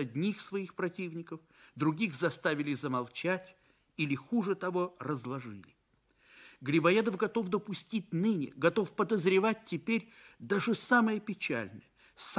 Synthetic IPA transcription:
ɐd̪ʲnʲixsvɐixpɾɐtʲivnʲɪkəf | d̪ɾʊɡʲixzɐst̪avʲɪlʲɪzəmɐlˠt͡ɕætʲ | ilʲɪxuʐɨt̪ɐvo̞rəzlˠɐʐɨlʲɪ | ɡɾʲɪbɐjed̪əfɡɐt̪o̞fd̪əpʊsʲtʲitʲnɨnʲɪ̰ɡɐt̪o̞fpəd̪əzɾʲɪvat̚ʲtʲːɪpʲeɾʲ | d̪aʐɨsaməjəpʲɪt͡ɕæ̰lʲnəjə | s

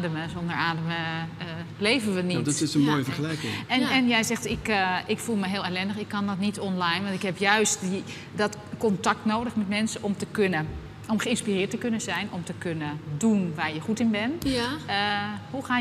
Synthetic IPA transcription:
dəməzondəɹaːdəmə | leːvənʋənitdɔtɪsənmoːjəfərəlɛjkɪŋɛnɛnjɛjzɛxtɪkʔɪkfulˠməɦɪːlˠɛlɛndəxɪkʰːɔndɔtnitʰɔnlajnʋɑntɪkhɛpjœɥsti | dɔtkɔntak̚tnoːdəxmɛtmɛnsəɔmtəkə | ɔmxəɪnspirɪːətəkønənzɛjnɔmtəkʰønədunʋaːrjəxutɪnbɛnəhuxaː

